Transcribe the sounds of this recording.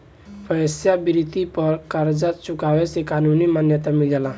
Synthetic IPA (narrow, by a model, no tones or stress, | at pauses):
pʰəsjabɪɾɪt̪ipəɾkaɾd͡ʒat̪̚t͡ʃʊkaːwesekaːnuːnimaːnjət̪amɪld͡ʒalaː